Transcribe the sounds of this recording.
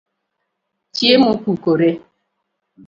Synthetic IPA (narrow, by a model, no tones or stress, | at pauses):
t͡ʃiemʊkʷukoɾe